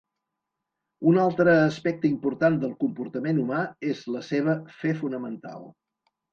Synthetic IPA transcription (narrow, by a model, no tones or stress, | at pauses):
unalˠt̪ɾəːspɛk̚t̪əimpuɾt̪and̪əlˠkumpuɾt̪əmenumaezləseβ̞əfɛfunəmənt̪a̰lˠ